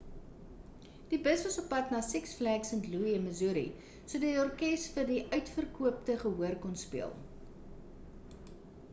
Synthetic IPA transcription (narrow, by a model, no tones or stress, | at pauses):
d̥ibəsvɐsɔpːɐtnɑːsɛksflæksəntluiənməzuɾḭ | suədɐɔrkɛsfərdiʔœɥtfərkuəptəχəɦuərkɔnspiəlˠ